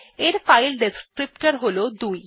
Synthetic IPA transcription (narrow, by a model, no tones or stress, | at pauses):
eɾfajlɖeskɾipʈaɾɦolod̪uj